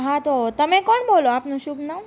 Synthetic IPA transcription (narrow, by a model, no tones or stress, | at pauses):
ɦãt̪ot̪əmẽkɔɳboloapnũɕubna